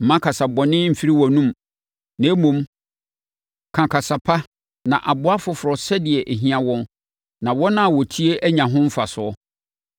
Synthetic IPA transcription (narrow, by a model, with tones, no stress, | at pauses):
m̩˨mã˦kʰa˨sa˨bɔ˨nɪ̃˦m̩˨fi˦ɾi˦wɔ˨nũ˦m | nã˨˦mõ˨m | kʰã˨kʰa˨sa˨pʰa˦ | nã˨ʔa˨bʊ˦a˦fʊ˦fʊ˨ɾɔ˨sɛ˦dɪ˨ɛ˨ʔe˨ɦĩ˦ã˦˨wɔ̃˦n | nã˨wɔ˦nã˦a˨wɔ˨tʰi˦e˦ʔæ˦ɲã˨ɦʊ̃˦m̩˦fa˨sʊ˨˦ɔ˦